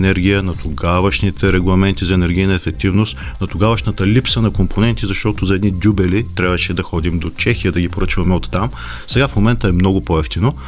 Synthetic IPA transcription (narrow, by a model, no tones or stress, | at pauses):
nɛɾɡ̟ʲijənɐt̪oɡavəʃnit̪ʰɛɾɛɡlˠɐmɛnt̪izɐɛnɛɾɡʲijnəɛfɛk̚t̪ivnost̪ | nɐt̪ʊɡavəʃnət̪əlipsənɐkompʰonɛnt̪izɐʃt̪ɔt̪ozɐɛd̪nid̪ʲubɛlit̪ɾʲabvəʃɛd̪ɐxɔd̪imd̪ot͡ʃɛxijəd̪ɐɡʲipoɾɤt͡ʃvɐmɛot̪ːam | sɛɡafmomɛnt̪əɛmnɔɡʊpoɛft̪ino